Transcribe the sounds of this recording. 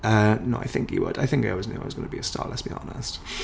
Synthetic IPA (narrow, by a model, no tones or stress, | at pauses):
ənoʊaɪθɪ̰̃ŋkjɨ̰wə̰daɪθɪ̃ŋkaɪɪwɒznuaɪɒzɡʌnəbiəstɑ̰ːlɛtsb̥iɑ̰nɪ̰st